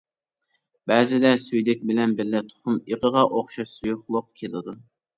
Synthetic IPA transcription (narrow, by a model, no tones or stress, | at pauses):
bæːzɪd̪ɛsyjlɪk̚ʲbɪlɛnbɪɾlːɪt̪ʰʊ̥χʊmiʁəʁɑʔoχʃɑʃsujʊχlˠʊqkʲʰelˠɪd̪u